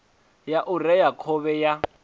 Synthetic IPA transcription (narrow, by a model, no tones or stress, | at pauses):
jaʔʊrɛjakʰɔβɛja